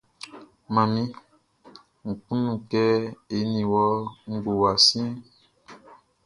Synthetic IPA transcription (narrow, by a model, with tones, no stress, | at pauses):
mã˨mĩ˦ | ŋ̩˨k͡pũ˦nũ˨kɛ˦e˨˦nĩ˨wɔ˦ŋ̩˦ɡ͡bo˨wa˨sĩ˦